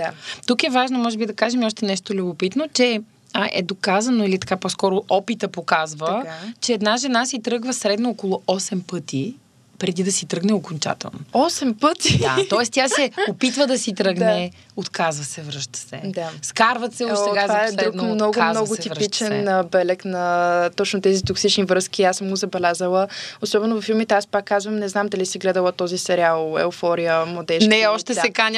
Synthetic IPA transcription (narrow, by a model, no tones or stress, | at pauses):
d̪at̪ukɛvaʒnomɔʒɛbid̪ɐkaʒɛmiɔʃt̪ɛnɛʃt̪olʲubopit̪not͡ʃɛ | ʔɛ̰d̪okazɐnoilit̪ɐ̥kapɔskɔɾʊʔɔpit̪əpokazvəat͡ʃɛːd̪naʒɛnasit̪ɾɤɡvɐsɾɛd̪noɔkolˠoʔɔsɛmpɤt̪i | pɾɛd̪id̪ɐsit̪ɾɤɡnɛokont͡ʃa̰t̪ɛ̰lˠno̰ɔsɛmpət̪id̪a̰t̪ɔɛst̪ʲasɛopit̪vəd̪ɐsit̪ɾəɡnɛ | ot̪kʰazvəsɛvɾəʃt̪ə̥sɛ̰d̪askaɾvət̪sɛtɡ̪vaɛd̪ɾumnɔɡʊmanɔɡʊt̪iɾpit͡ʃɛnbɛlɛknɐt̪ɔt͡ʃnot̪ɛzit̪oksit͡ʃnivɾɤskiasɤmɡozɐbɛlʲazəlˠəosɔbɛnʊvɐfːilˠmit̪ɛaspakːazvəmnɛznamd̪ɐlisɛɡlɛd̪əlˠət̪ɔzisɛɾʲialˠɛ̰ofɔɾijəmlˠɐd̪ɛʃnɛɔʃt̪ɛsaɛkanʲə